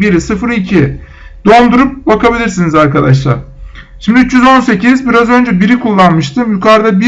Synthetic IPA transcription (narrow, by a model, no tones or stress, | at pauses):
biɾisɯfɾicʰi | d̪o̞nd̪uɾup̚bakʰabilʲiɾsinizaɾkad̪aʃ̬lˠa̰ɾ̥ | ʃimd̪yt͡ʃːjyzo̞nse̞cʰizbiɾazø̞nd͡ʒɛbiɾikʰulˠːanmɯʃt̪ʰɯmjukʰaɾd̪abi